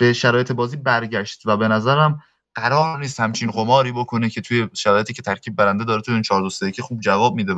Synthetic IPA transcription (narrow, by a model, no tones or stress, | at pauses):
b̥e̞ʃæɾɒːjet̪ʰebɒːziːbæɾɟæʃt̪væbe̞næzæɾæm | ɢ̥æɾɒːɾniːs̬t̪hæmt͡ʃʰinɢomɒːɾiːbokʰo̞necʰe̞t̪ʰujeʃæɾɒːjeiːcʰet̪ʰæɾcʰiːb̚ːæɾænd̪e̞d̪ɒːɾet̪ʰujeiːnt͡ʃʰɒːɾd̪oseecʰexuːb̚d͡ʒævɒːb̚miːd̪e